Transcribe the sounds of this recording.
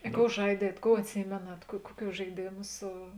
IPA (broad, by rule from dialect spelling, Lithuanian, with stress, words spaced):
ɪ ˈkoːʊ ˈʒɐɪdʲiɛt ˈkoːʊ ɐtʲˈsʲiːmʲeːnɐt kuɔ ˈkuɔˌkʲuː ʒɐɪˈdʲeːmʊ ˈsʊ